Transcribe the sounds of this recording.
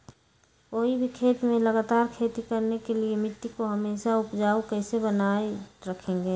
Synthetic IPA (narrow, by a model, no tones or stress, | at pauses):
oːɦibʱikʰeːt̪mẽləɡaːt̪aːɾkʰeːt̪ikəɾnekeliemɪt̪ːikoɦəmeːʃaʊpd͡ʒaːokɛːsebənaːeɾəkʰẽːŋɡeː